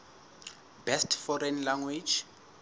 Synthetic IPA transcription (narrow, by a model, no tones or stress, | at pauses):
bɛstfɔɾɛnlaŋwid͡ʒ